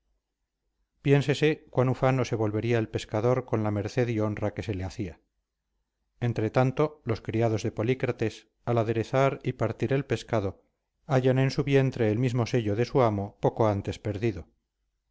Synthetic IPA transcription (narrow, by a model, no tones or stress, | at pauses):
pje̞nse̞se̞kwanufano̞se̞βo̞lβe̞ɾiaelpe̞skaðo̞ɾko̞nlame̞ɾθe̞ðio̞nrake̞se̞leaθia | e̞nt̪ɾe̞t̪ant̪o̞lo̞skɾiaðo̞zðe̞po̞likɾat̪e̞s | alaðe̞ɾe̞θaɾipaɾt̪iɾe̞lpe̞skaðo̞ | aʝane̞nsuβje̞nt̪ɾe̞ːlmizmo̞se̞ʎoðe̞suamo̞po̞ko̞ant̪e̞spe̞ɾðiðo